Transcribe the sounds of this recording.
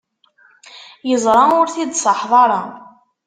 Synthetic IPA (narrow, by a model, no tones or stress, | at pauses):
jəzˤɾˤɑʊɾθid̪sˤɑħðˤɑɾˤɑ